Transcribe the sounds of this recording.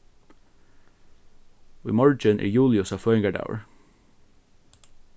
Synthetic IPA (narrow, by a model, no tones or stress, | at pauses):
wɪ̰mɔɹd͡ʒənʔɪ̰ːjuːlɪʊsɑfœʏɪŋɡəɖa̰ʊə̰ɹ